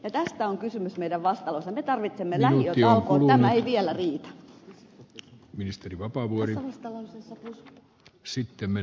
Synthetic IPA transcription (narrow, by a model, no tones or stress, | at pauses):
jɑt̪æst̪æoŋkysymysmeiɾæʋʋɑst̪ɑlosːɑmet̪ɑrʋit̪semːelæhoioɑlkoːluænmæeiʋiælæriːt̪æ̥ | minist̪eriʋɑpɑˑʋuori | sit̪ːemme